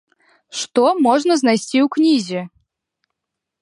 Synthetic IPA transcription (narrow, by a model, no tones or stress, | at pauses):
ʂt̪omɔʐnəznajsʲtʲiuknʲizʲɪ